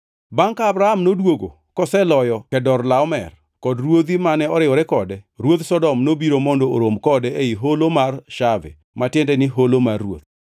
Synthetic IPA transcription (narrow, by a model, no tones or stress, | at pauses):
baŋkaːbɾaamnodwoɡo̰ | kɔsɛlɔjɔkɛdɔrlaɔmɛ̰r | kɔdrwod̪imanɛɔɾɪɔɾɛkɔdɛɾwot̪sɔdɔmnobiɾomɔndoo̰ɾomkɔdɛeiɦolomarʃavɛ̰ | matɪendɛnɪɦolomarːwo̰t̪̚